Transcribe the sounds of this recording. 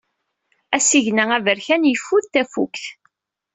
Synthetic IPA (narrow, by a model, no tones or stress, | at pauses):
æsiʝnæævəɾçænjəfːuðθæfṵkθ